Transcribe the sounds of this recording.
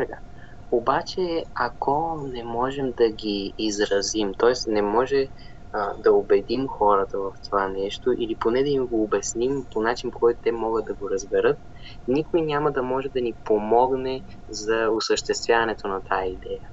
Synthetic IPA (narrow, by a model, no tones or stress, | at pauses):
sɛɡa | obat͡ʃɛɐkɔnɛmɔʒɛmd̪ɐɡiːzɾɐzimt̪ɔɛsnɛmɔʒɛ | d̪ɐobɛd̪imxɔɾət̪əvɐft̪ovanɛʃt̪oʔiliponɛd̪ɐimɡoːbɛsnimponat͡ʃinpokɔjt̪ʊt̪ɛmɔɡət̪̚d̪ɐɡoɾɐzbɛɾɤt̪̚ | nikoinʲaməd̪ɐmɔʒɛd̪ɐnipomɔɡnɛ | zɐosəʃt̪ɛst̪vʲjavɐnɛt̪onɐt̪ʰaid̪ɛjə